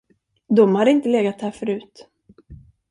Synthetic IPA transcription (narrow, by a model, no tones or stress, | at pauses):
d̪ɔmhad̪ɪnt̪əleːɡat̪hæːfœɾʉ̟ːt̪